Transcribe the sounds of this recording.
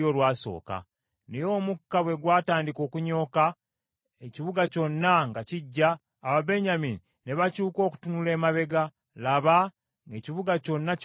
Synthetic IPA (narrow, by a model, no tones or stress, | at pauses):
olwaːso̞̰ːka̰ | nejo̞ːmukːaβwe̞ɡwaːtaːndiko̞ːkuɲo̞ːka | eciβuɡaco̞nːaŋɡaciɟːaː | βabe̞ɲamini | ne̞βacuːko̞ːku̥tunule̞ːmaβe̞ɡa | laβa | eciβuɡaco̞nːa